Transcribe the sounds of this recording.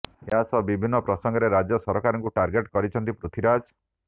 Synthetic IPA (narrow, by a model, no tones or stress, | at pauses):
easɔbibʱinːɔpɾɔsɔŋɡɔɾeɾad͡ʒjɔsɔɾɔkaɾɔŋkuʈaɾɡeʈkɔɾit͡ʃʰɔnt̪ipɾut̪ʰiɾad͡ʒ